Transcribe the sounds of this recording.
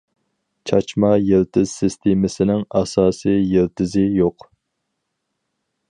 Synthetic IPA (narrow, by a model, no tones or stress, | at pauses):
t͡ʃʰɑt͡ʃmɑjelt̪ʰɪz̥sɪst̪ʰemɪsɪnɪŋɑsɑːsɨjelt̪ɪzɪjoq